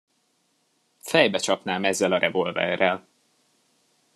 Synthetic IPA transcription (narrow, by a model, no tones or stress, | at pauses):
fɛjbɛt͡ʃɒpnaːmɛzːɛlɒɾʔɛvo̞lvɛ̰rɛl